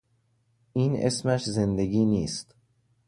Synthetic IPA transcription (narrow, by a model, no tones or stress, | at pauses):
iːnʔḛsmæʃze̞nd̪eɡiːniːst̪